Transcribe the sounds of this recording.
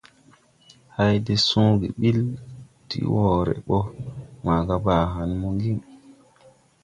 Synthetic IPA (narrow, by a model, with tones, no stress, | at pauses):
ha˦jde˦sũ˦ɡi˨ɓi˦ltḭ˨˦wɔ˨ɾɛ̰˨ɓɔ˦ma˨ɡa˦baː˨ɦa˨nmɔ˦ŋɡi˦ŋ